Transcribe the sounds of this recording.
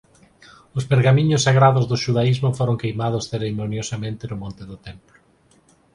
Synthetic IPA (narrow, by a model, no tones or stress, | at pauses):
ʊspeɾɣamĩɲʊsːaɣɾaðʊzðʊʃuðaizmʊfoɾoŋkejmað̞ʊsθeɾemonjosamẽnt̪ɪnʊmõnt̪ɪðʊt̪emplʊ